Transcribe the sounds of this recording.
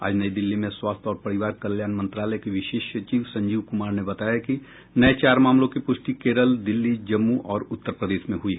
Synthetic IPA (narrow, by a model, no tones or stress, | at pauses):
a̰ːd͡ʒnɐid̪ɪlːimẽswaːst̪ʰɔːɾpɐɾɪʋaːɾkɐljaːnmɐ̃nt̪ɾaːləkeʋɪʃeːʃjət͡ʃiːʋsɐ̃ɲd͡ʒiːʋkʊmaːɾnebɐt̪aːjaki | nɐet͡ʃaːɾmaːmlõkipʊʃʈikeːɾəld̪ɪlːid͡ʒɐmːuʔɔːɾʊt̪ːəɾpɾəd̪eːʃmẽɦʊi